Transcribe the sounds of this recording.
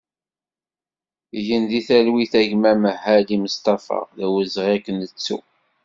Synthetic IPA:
ʝənðiθælwiθæʝmæməɦːæliməst̪ɑfɑ̰ðæwəzʁiækːənət͡sːṵ

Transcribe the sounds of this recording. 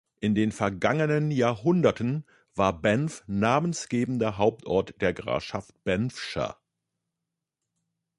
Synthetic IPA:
ʔɪndeːnfɛɐɡaŋənənjaːɐɦʊndɐtʰən | v̥aːɐbɛnfnaːmənsɡ̥eːbn̩dɐɦaʊp̚tʰʔɔɐtd̥eːɐɡʁa̰ːfʃaft̚b̥ɛnfʃa̰

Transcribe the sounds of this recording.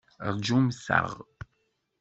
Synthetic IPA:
rˤd͡ʒumsa̰ʁ

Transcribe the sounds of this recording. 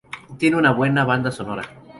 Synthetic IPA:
t̪jeneunaβwe̞naβand̪aso̞no̞ɾa̰

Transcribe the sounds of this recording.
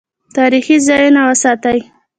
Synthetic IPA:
t̪ɑɾixizɑjunawəsɑt̪aj

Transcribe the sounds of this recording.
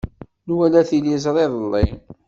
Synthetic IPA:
nwælæθilizˤɾˤeðˤəlˤːɪ

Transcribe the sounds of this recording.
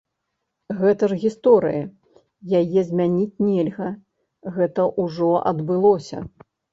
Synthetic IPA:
ɣɛt̪ɐʐɣʲist̪ɔɾɨ̰jɐ | jajɛzʲmʲanʲit͡sʲnʲɛlʲɣɐ | ɣɛt̪ɐʔuʐɔɐ̰d̪bɨlˠɔsʲɐ̰

